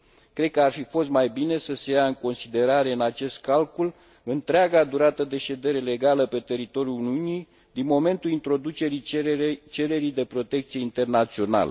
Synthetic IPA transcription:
kɾe̞d̪̚kəarfifo̞st̪majbine̞səse̞jaɨŋko̞nsid̪e̞ɾaɾe̞ɨnat͡ʃe̞st̪̚kalkul | ɨnt̪ɾeaɡad̪uɾat̪əd̪e̞ʃe̞d̪e̞ɾe̞le̞ɡaləpe̞t̪e̞ɾit̪o̞ɾjuluniunij | d̪inmo̞me̞nt̪ulint̪ɾo̞d̪ut͡ʃe̞ɾit͡ʃe̞ɾe̞ɾid̪e̞pɾo̞t̪e̞k̚t̪sije̞int̪e̞rnat̪sio̞na̰lə̰

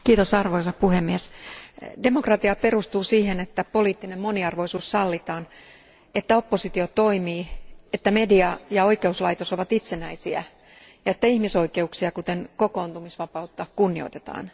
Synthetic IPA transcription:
kiːt̪osɑrʋoisɑpuhemːies | de̞mokrɑt̪iɑpe̞rust̪uːsiːhenet̪ːæpo̞liːt̪ːinemmoniɑrʋo̞isuːssɑlːit̪ɑːn | et̪ːæo̞pːosit̪iot̪o̞imiːet̪ːæme̞diɑjɑoike̞uslɑit̪oso̞ʋɑt̪it̪senæisiæ̰ | jɑet̪ːæihmiso̞ike̞uksiɑkut̪eŋkoko̞ːnt̪umisʋɑpɑut̪ːɑkunːio̰t̪e̥t̪ɑ̰ːn

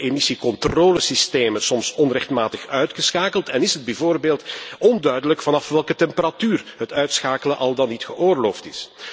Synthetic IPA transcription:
emisikɔntroːləsisteːməsɔmsɔnrɛxtmaːtəxœɥtxəsxaːkəlˠtɛnɪsəd̚bɛvoːrbeːlˠtɔndœɥdələkfɑnɑfʋɛlˠkətɛmpəɾatyːrɦətœɥtsxaːkələnʔɑlˠdɑnːitxəʔoːrloːftɪs

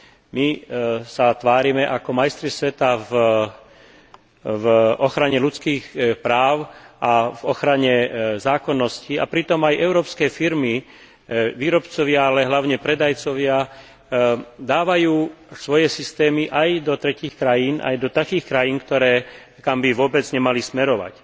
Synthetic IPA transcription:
misat̪ʋaːɾimɛʔakɔmajst̪ɾisʋɛt̪av | vʔɔxɾaɲɛlut͡skiːxpɾaːʊʔavɔxɾaɲɛzaːkɔnːɔscia̰pɾit̪ɔmajʔɛʊɾɔːpskɛːfiɾmi | ʋiːɾɔpt͡sɔʋɪaalɛɦlaʊɲɛpɾɛd̪ajt͡sɔʋɪa | d̪aːʋajuːsʋɔjɛsist̪ɛːmiʔajd̪ɔt̪ɾɛciːxkɾajiːnʔa̰jd̪ɔt̪akiːxkɾajiːnkt̪ɔɾɛː | kambiʋʊɔbɛd͡zɲɛmalismɛɾɔʋa̰c

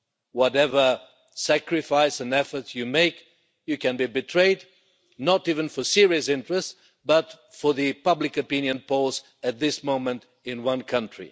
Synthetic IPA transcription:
wɔɾɛvə˞ | sækɹɨfaɪsɨ̃nɛfə˞tjɨmeɪk | jɨkɨ̃nbibɨtʰɹ̥eɪd | nəɾivɨ̃nfə˞sɪɹiɨsɪ̃ntɹ̥ɨst | b̥ʌt | fə˞ðɨpʌblɨkɨpɪ̃njɨ̃npʰɔz | ɨt̪̚ðɪsmõʊ̃mɨ̃nt | ɪ̃nwʌ̃nkʰʌ̃ntɹ̥ḭ

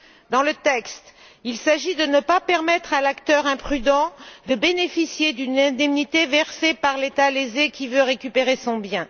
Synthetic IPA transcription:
d̪ɑ̃lət̪ɛkst̪ | ilsaʒid̪ənəpapɛʁmɛt̪χalakt̪œʁɛ̃pχyd̪ɑ̃d̪əbenefisjed̪ynɛ̃d̪ɛmnit̪evɛʁsepaʁlet̪alezekʲivøʁekʲypeʁesɔ̃bjɛ̃

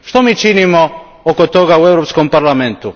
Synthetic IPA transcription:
ʃt̪omiːt͡ʃinimo | okot̪o̞ɡaue̞vɾopskompaɾlˠame̞nt̪u

